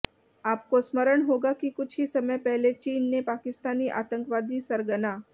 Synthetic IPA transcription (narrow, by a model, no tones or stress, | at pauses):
aːp̚kosməɾəɳɦoɡakikʊt͡ʃʰɦisəməjpɛɦlet͡ʃiːnːepakɪst̪aniːʔa̰ːt̪ə̃ŋkʋad̪ʱiːsəɾɡəna